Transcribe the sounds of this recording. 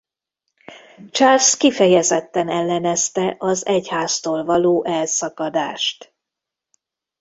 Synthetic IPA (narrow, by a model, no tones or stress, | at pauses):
t͡ʃalskifɛjɛzɛt̪ːɛnɛlːɛnɛst̪ɛʔɒzɛchaːst̪oːlvɒloːʔɛlsɒkɒd̪aːʃt̪